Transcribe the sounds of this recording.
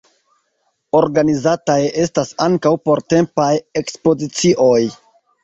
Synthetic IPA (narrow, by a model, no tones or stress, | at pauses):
o̞ɾɡanizataje̞stasaŋkawpo̞ɾte̞mpaje̞kspo̞zit͡siʔo̞j